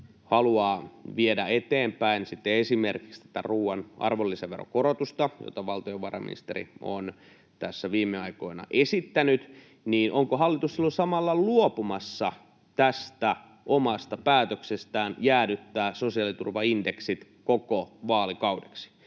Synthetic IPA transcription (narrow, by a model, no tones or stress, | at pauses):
hɑluɑːʋiedæet̪eːmpæinsit̪ːeesimerkikst̪æ̥t̪æ̰ruːwɑnʔɑ̰rʋolːiseʋʋero̰korot̪ust̪ɑjo̰t̪ɑʋɑlt̪ojoʋɑrɑ̰mḭnḭst̪erḭo̰n | t̪æsːæʋiːmːeɑiko̞inɑ̰ʔesit̪ːænyt̪ | niːnʔoŋkoɦɑlːit̪ussilːosɑmɑlːɑluopumɑsːɑ | t̪æst̪æ | ʔomɑst̪ɑpæːt̪øksest̪æːnjæːdyt̪ːæːsosiɑlit̪ṵrʋɑindeksit̪ | kokoʋɑːlikɑudeksi̥